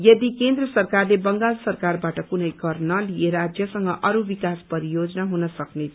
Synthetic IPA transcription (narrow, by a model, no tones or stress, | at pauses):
jʌd̪ikend̪rʌsʌrkarlebʌŋɡalsʌrkarbaʈʌkunʌjɡʌrnʌlieɾad͡zjʌsʌŋɡʌʔʌɾubikaspʌɾijod͡zʌnaɦunʌsʌknet͡sʰ